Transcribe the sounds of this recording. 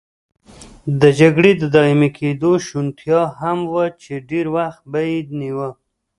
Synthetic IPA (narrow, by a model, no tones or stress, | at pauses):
d̪əd͡ʒaɡɽed̪əd̪ɑimekʰed̪oʃunt̪jɑɦamwət͡ʃeɖeɾwaxt̪̚bajed̪niwə